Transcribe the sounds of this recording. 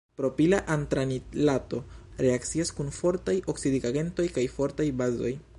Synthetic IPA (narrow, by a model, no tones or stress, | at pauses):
pɾo̞pilaʔantɾanilato̞ɾe̞akt͡siaskunfo̞ɾtajo̞ksidiɡaɡe̞nto̞jkajfo̞ɾtajbazo̞̰j